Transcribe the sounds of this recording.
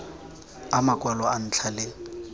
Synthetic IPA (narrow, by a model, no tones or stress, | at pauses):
amakʼwalɔan̩t͡ɬʰale